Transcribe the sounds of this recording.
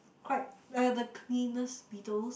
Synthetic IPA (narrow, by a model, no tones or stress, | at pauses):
kʰwaɪt̚ɛdəkʰlĩnəsbitəls